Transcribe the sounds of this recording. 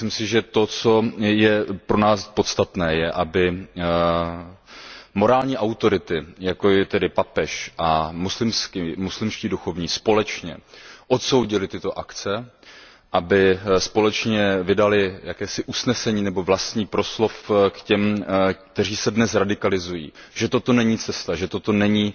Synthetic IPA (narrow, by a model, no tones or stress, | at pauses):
ɪmsɪʒɛt̪o̞t͡so̞jɛpɾo̞naːspo̞t̪st̪at̪nɛːjɛʔabɪ | mo̞ɾaːlɲiːʔawt̪o̞ɾɪt̪ɪjakoɛt̪ɛdɪpapɛʃʔamuslɪmskimuslɪmʃciːduxo̞vɲiːspo̞lɛt͡ʃɲɛ̰ʔo̞t̪so̞wɟɪlɪt̪ɪt̪o̞ʔakt͡sɛ | ʔabɪspo̞lɛt͡ʃɲɛvɪdalɪjakɛːsɪʔusnɛsɛɲiːnɛbo̞vlast̪ɲiːpɾo̞slo̞fkcɛmkt̪ɛr̝iːsɛdnɛsɾadɪkalɪzujḭːʒɛt̪o̞t̪o̞nɛɲiːt͡sɛst̪aʒɛt̪o̞t̪o̞nɛɲiː